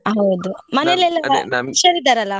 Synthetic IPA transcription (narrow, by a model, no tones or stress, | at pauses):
ɦɐwd̪umɐnelɛlːɐʋɐiʃɐɾid̪aːɾɐlːɐ